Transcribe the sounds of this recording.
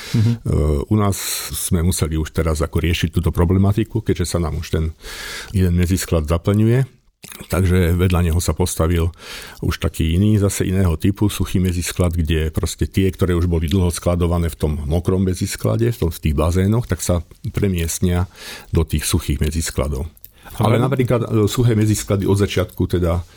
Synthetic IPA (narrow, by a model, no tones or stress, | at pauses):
ʔunaːsz̥mɛmusɛliuʃt̪ɛɾazakɔɾɪɛʃic̚t̪ːuːt̪ɔpɾɔblɛmat̪ikukɛɟʒɛsanaːmuʃt̪ɛnjɛd̪ɛnmɛd͡zisklad̪zapl̩ɲujɛ | t̪aɡʒɛʋɛd̪ʎaɲɛɦɔsapɔst̪aʋilṵʃt̪akiːiniːzasɛʔḭnɛːɦɔt̪ipusuxiːmɛd͡zisklad̪ɡɟɛpɾɔscɛt̪ɪɛkt̪ɔɾɛːuʒbɔlid̪l̩ˠɦɔsklad̪ɔʋanɛːft̪ɔmːɔkɾɔmːɛd͡ziskla̰ɟɛft̪ɔmft̪iːɣbazɛːnɔxt̪aksapɾɛmɪɛstɲɪad̪ɔt̪iːxsuxiːɣmɛd͡ziskla̰d̪ɔʊ | alɛnapɾiːklat̪suxɛːmɛd͡zisklad̪iʔɔd̪zat͡ʃɪat̪kut̪ɛd̪a